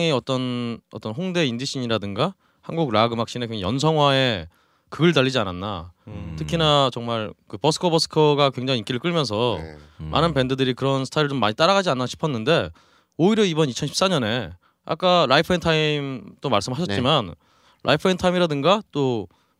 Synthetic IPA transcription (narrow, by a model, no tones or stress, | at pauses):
ŋiʌt͈ʌnʌ̰t͈ʌnɸoŋde̞indɯɕʰiɲiɾadɯŋɡa | hanɡuɡɾaɡɯmak̚ɕ͈inekweajʌ̰nsʰʌŋɦwae̞ | kɯɡɯɭt̬aʎːid͡ʑiananːa̰tʰɯkʰinat͡ɕʌŋmaɭkɯpʌsʰɯ̥kʰʌbʌsʰɯ̥kʰʌɡakwe̞ŋd͡ʑaŋik͈iɾɯɭk͈ɯɭmjʌnsʰʌmʔa̰nɯnpe̞ndɯdɯɾikɯɾʌnsʰɯ̥tʰaiɾɯɭt͡ɕomːaɲit͈aɾaɣad͡ʑianːaɕʰi̥pʰʌnːɯnde̞ | oiɾjʌibʌnit͡ɕʰʌnɕʰi̥ps͈aɲʌne̞ | a̰k͈aɾaipʰɯentʰaimt͈omaɭs͈ɯmɭɦaɕʰʌt͡ɕ͈iman | ɾʔa̰ipʰɯentʰaimiɾadɯŋɡat͈o